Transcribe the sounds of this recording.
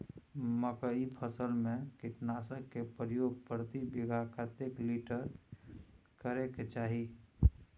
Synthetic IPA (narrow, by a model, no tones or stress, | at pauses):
məkəipʰəsəlmẽkɪʈnaːsəkːepɾjoːɡ̚pəɾt̪ibiɡʱakət̪ekliʈəɾ | kəɾeket͡ʃaːɦi